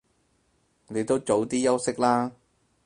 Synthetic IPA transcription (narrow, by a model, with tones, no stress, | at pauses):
ne˨˧jt̪o˥wt͡ʃo˨˥wt̪iː˥jɐ˥wsɪ˥k̚laː˥